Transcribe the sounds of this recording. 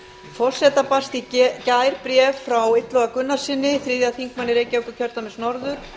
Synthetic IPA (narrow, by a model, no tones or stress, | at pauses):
fɔr̥sɛt̪apast̪icaːjɾpɾjɛvfɾawɪt̪lɔɣakʏnːḁsɪnːɪθɾɪðjaθiŋkmanːɪɾeːjcaːwkʏcʰœɾt̪amɛsnɔɾðʏɾ̥